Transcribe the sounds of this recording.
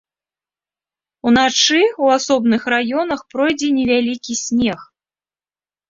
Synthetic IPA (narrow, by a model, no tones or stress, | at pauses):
unat͡ʂɨwasɔbnɨxrajɔnɐxpɾɔjd͡zʲɛnʲɛvʲalʲikʲisʲnʲɛx